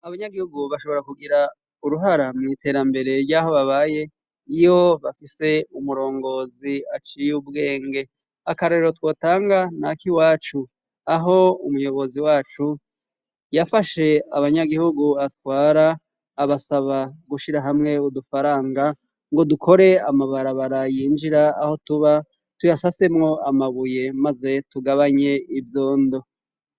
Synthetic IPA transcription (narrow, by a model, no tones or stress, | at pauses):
aβaɲaɡihuɡuβaʃo̞βo̞ɾakuɡiɾa | uɾuɦaɾamŋiːte̞ːɾambe̞ɾe̞ɾɟaːho̞βaβaje̞ | ijo̞βafise̞umuɾo̞ːŋɡo̞ːziat͡ʃijubɡe̞ːŋɡe̞ | akaɾeɾeɾo̞two̞ːtaːŋɡanakiwaːt͡ʃu | aɦo̞umujo̞βo̞ziwaːt͡ʃu | jafaʃe̞aβaɲaɡihuɡuatwaːɾaː | βasaβaɡuʃiɾaɦamŋe̞udufaɾaːŋɡa | ŋɡo̞dukʰo̞ɾe̞amaβaɾaβaɾajiːnd͡ʒiɾaːho̞tuβa | tujasase̞mŋo̞ʔamaβuje̞maze̞tuɡaβaɲe̞ivjoːndo̞